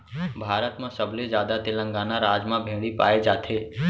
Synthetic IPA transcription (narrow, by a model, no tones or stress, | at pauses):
bʱaːɾət̪mãsəblezjaːd̪at̪ɪlə̃ŋɡaːnaɾaːd͡ʒmãbʱeːɽipa̰ːed͡ʒaːt̪ʰeː